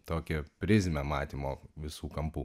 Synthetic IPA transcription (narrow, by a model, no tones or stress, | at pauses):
t̪oːkʲɛpʲɾʲɪzʲmʲɛmɑːt̪ʲiːmoːʋʲɪsuːkɐmpuː